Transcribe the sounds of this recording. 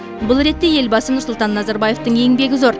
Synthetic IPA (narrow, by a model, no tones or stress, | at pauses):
bʊlˠɾe̞t̪ːe̞je̞lbɑsənʊɾsʊlˠt̪ɑnːɑzɑɾbɑje̞ft̪əɴe̞ŋbe̞ɡʲɪzo̞ɾ